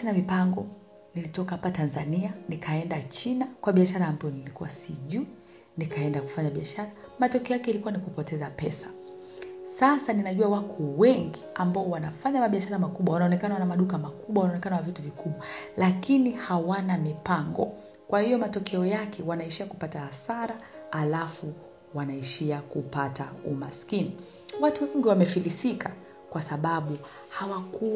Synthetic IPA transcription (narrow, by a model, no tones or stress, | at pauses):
inamipaŋɡɔ | nilitɔkahapatanzanianikʰaɛndat͡ʃinakwaɓiaʃaɾaːmbajɔnilikuwasiʄuː | nikaɛndaku̥faɲaɓiaʃaɾamatɔkɛɔjakɛilikuwanikupɔtɛzapɛsḁ | sasaninaʄuawakʰɔwɛŋɡiambaɔwanafaɲamaɓiaʃaɾamakuɓwawanaɔnɛkanawanamaɗukamakuɓwawanaɔnɛkanawavituvikuɓwalakinihawanamipaŋɡɔ̰ | kwahijɔmatɔkʰɛɔjakʰɛwanaiʃiakupatahasaɾaalafu | wanaiʃiakupataumaskini | watuwɛŋɡiwamɛfilisikʰa | kwasaɓaɓu | hawaku